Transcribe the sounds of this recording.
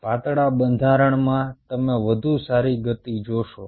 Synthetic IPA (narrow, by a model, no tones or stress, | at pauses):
pat̪ɽabənd̪ʱaɾəɳmãt̪əmeʋəd̪ʱusaɾiɡət̪id͡ʒoʃo